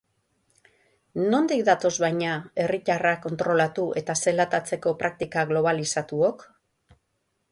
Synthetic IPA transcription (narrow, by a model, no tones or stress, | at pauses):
no̞nd̪ikd̪at̪o̞zβajɲae̞ric̪arako̞nt̪ɾo̞lat̪uʔe̞t̪ase̞lat̪at͡se̞ko̞pɾak̚t̪ikaɣlo̞βalisat̪uo̞k